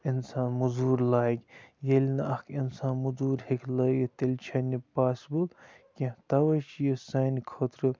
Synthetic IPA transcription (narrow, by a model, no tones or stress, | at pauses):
insaːnmuzuːɾlaːjɡʲjelʲnɐʔɐkʰinsaːnmuzuːɾhekʰlɐɡɐt̪elʲt͡ʃʰɐnʲipaːsibul | kʲĩt̪ɐʋɐjt͡ʃijəsɐːnikʰot̪ɾɨ